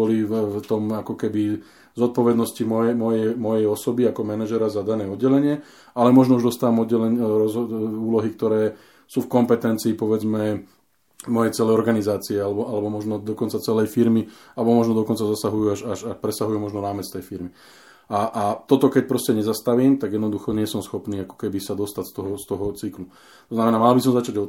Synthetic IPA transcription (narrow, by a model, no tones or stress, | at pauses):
ɔlift̪ɔmakɔkɛbi | zɔt̪̚pɔʋɛd̪nɔscimɔjɛmɔjɛjmɔjɛjɔsɔbiakɔmɛnaʒɛɾazad̪anɛːɔd̪ɟɛlɛɲɪɛ | alɛmɔʒnɔuʒd̪ɔst̪aːʋamɔd̪ɟɛlɛɲɾɔzuːlɔɦik̚t̪ɔɾɛː | suːfkɔmpɛt̪ɛnt͡siːpɔʋɛd͡zmɛ | mɔjɛt͡sɛlɛjɔɾɡanizaːt͡siɛalɛbɔʔalɛbɔmɔʒnɔd̪ɔkɔnt͡sat͡sɛlɛjfiɾmi | alɛbɔmɔʒnɔd̪ɔkɔnt͡sazasaɦujuaʃaʃaʃpɾɛsaɦujumɔʒnɔɾaːmɛt͡st̪ɛjfiɾmi | aʔat̪ɔt̪ɔkɛc̚pɾɔscɛɲɛzast̪aʋiːmt̪aɡjɛd̪nɔd̪uxɔɲɪɛsɔmsxɔpniːakɔ̥kɛbisad̪ɔst̪acst̪ɔɦɔst̪ɔɦɔt͡siklu | t̪ɔznamɛnaːmalbis̬ɔmzat͡ʃaɟɔ